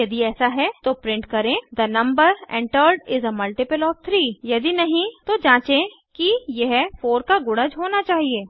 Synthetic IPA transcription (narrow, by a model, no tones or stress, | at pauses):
jɐd̪iɛːsaɦɛt̪opɾɪ̃ɳʈkɐɾẽd̪ɐnɐ̃mbəɾɛ̰̃ɳʈəɾɖɪzəmɐlʈɪpəlɔːf̚t̪ʰɾiːjɐd̪inɐɦĩt̪od͡ʒãːt͡ʃẽ | kijeɦfoːɾkaɡʊɽə̃d͡ʒɦoːnat͡ʃaːɦieː